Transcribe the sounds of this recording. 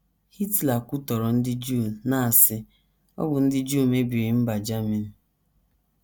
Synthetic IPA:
hi˦tla˨kʷʊ˦tɔ˨ɾɔ˨n̩˦dɪ˦d͡ʒu˦˨na˦˨a˨sɪ˦ | ɔ̰˦bʊ˨n̩˦dɪ˦d͡ʒu˦˨me˦bi˨ɾɪ˨m̩˦ba˨d͡ʒa˦mi˨n̩˨

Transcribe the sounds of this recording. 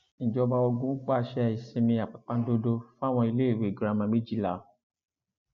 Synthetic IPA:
n̩˨d͡ʒɔ˧ba˧ɔ˧ɡũ˦k͡pa˦˨ʃɛ˦˨i˨sẽ˧mĩ˧a˨k͡pa˨k͡pã˧˦n̩˦do˦do˦fũ˦a˦˨w̃ɔ̃˧i˧le˦˨we˨ɡɾa˨˧mã˧mĩ˦d͡ʒi˦˨la˨

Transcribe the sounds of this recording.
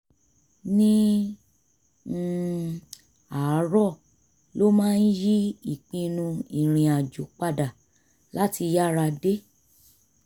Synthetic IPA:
nĩ˦˨ | a˨˦ɾɔ˦˨ | lo˦mãː˦˧n̩˦ji˦i˦˨k͡pĩ˧nũ˧i˨ɾ̃ĩ˨a˨d͡ʒo˨˦k͡pa˦˨da˨ | la˨˦ti˧ja˦˨ɾa˧de˦

